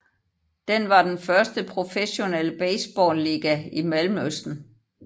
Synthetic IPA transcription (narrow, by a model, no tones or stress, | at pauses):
d̥enʋɑ̈d̥enfɶɐsd̥əpʰʁo̝feɕo̝nɛləb̥ɛɪsb̥ɒːnliːɡ̥æimælmøsd̥n̩